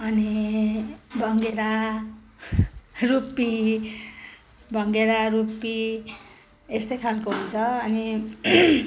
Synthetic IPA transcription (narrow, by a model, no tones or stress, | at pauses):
ʌni | bʱʌŋɡeɾa | rupi | bʱʌŋɡeɾarupi | est̪ʌjkʰalkoɦunt͡sʰʌʌni